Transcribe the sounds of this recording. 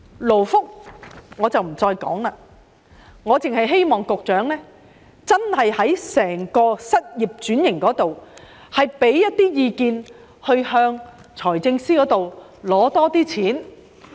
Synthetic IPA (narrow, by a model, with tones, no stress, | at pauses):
lo˨˩wfʊ˥k̚ŋɔː˨˧t͡sɐ˨wm̩˨˩t͡sɔː˧jkɔ̰ː˨˥ŋlaː˧ | ŋɔː˨˧t͡sɪ˨ŋhɐ˨jɦe˥jmɔː˨ŋkʊ˨k̚t͡ʃœː˨˥ŋlɛː˥ | t͡sɐ˥nhɐ˨jhɐ˨˥jsɛː˨˩ŋkɔː˧sɐ˥t̚jiː˨p̚t͡ʃyː˨˥njɪ˨˩ŋkɔː˨˥t̪o˨w | hɐ˨jpe˨˥jːɐ˥t̚t̪iː˥jiː˨˧kiː˧n | hɵ˧ɥhœː˧ŋ | t͡sʰɔː˨˩jt͡sɪ˧ŋsiː˥kɔː˨˥t̪o˨w | lɔː˨˥t̪ɔː˥t̪iː˥t͡sʰiː˨˥n